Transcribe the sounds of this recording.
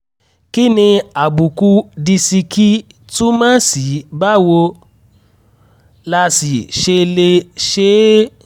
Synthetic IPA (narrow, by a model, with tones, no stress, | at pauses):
ki˦nĩ˧a˨bu˨ku˧di˧si˧ki˦ | tu˦mãː˦si˨˦ba˦wo˧ | la˧si˨ʃe˧le˧ʃe˦